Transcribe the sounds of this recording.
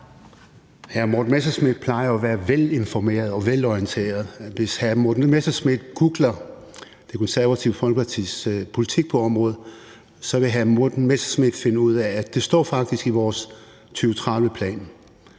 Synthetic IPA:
hæɐmodnmesɐsmid̥̚pʰlɑ̈ɪɐɒʋæːɐʋele̝nfɒme̝̰ːɐðˠɒ̽ʋelɒiənt͡sʰe̝̰ːɐðˠʋe̝shæɐmod̥nmesɐsmed̥ɡ̥uɡ̥lɐ | d̥e̝kʰo̽nsæɐʋæt͡sʰiʊfɒl̰ɡ̥ʰpʰɑ̈t͡sʰḭːspʰo̝lit͡sʰiɡ̥̚pʰɒ̽ɒ̽mʁɔ̽ːð̩ˠ | sɒ̽ʋe̝ɦæɐmod̥n̩mesɐsmed̥fe̝nəuð̞̰ˠæːd̥e̝sd̥ɒ̰ːfɑ̈ɡ̥̚d̥isɡ̥iʋɒːs | t͡sʰyːʊt͡sʰʁɑ̈ðˠʋəpʰlɛ̰ːn

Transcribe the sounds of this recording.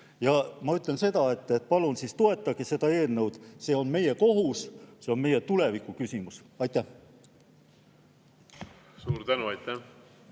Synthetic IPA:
jɑmɑyt̪ˑlense̞d̪̥ɑe̞t̪ːˑet̪̚ːˑpɑlunsiːst̪o̞e̞t̪ːˑɑɡ̥ese̞d̪ɑe̞ːlne̞wd̪̥se̞ːo̞nme̞je̞ko̞ɦusse̞o̞nme̞jet̪ulevikːˑukysʲimusɑjt̪ːˑæh | suːɾt̪ænuɑjt̪ːæ

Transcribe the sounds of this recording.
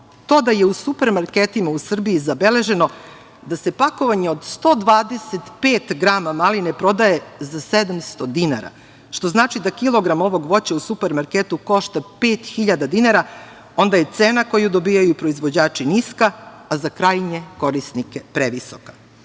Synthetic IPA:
t̪o̞ːd̪ajeusupe̞ɾmaɾket̪imausr̩biizabe̞le̞ʒe̞no̞ | d̪ase̞pako̞ʋaɲe̞od̪st̪o̞ːd̪ʋaːd̪e̞set̪peːt̪ɡɾamamalinepɾo̞d̪aje̞zased̪amst̪o̞d̪ina̰ɾa̰ | ʃt̪o̞znaːt͡ʃid̪akilˠo̞ɡɾamo̞ʋo̞ɡʋo̞t͡ɕausupeɾmaɾket̪uko̞ʃt̪apeːt̪xiʎad̪ad̪inaɾa | o̞nd̪aje̞t̪seːnako̞jud̪o̞biːjajupɾo̞izʋo̞d͡ʑaːt͡ʃiniskaːzakɾaːjɲeko̞ɾisnikepɾeʋiso̥kḁ

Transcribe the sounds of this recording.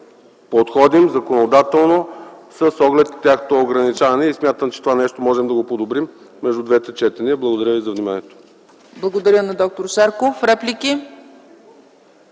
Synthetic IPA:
pot̪xɔd̪imzɐkonod̪at̪ɛlˠnosɐsɔɡlɛt̪nt̪ʲːaxnot̪oːɡɾɐnit͡ʃavɐnɛismʲjat̪əmt͡ʃɛt̪ovanɛʃt̪omɔʒɛmd̪ɐɡopod̪obɾimː | ɛʒd̪ud̪vɛt̪ɛt͡ʃɛt̪ɛniəblˠɐɡod̪ɐɾʲjəvizɐvnimaniɛt̪o̥ | blˠɐɡod̪ɐɾʲjənɐd̪ɔk̚t̪oɾsaɾkofɾɛplʲikʲi

